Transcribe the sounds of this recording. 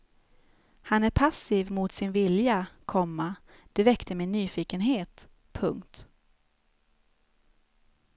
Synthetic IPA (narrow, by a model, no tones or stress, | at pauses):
hanæɾpʰasiːvmʊt̪sɪnvɪljakʰɔmːa | d̪̥ɛvɛkt̪əɾmeːnyːfiːkənɦeːt̪ | pʰɵŋkt̪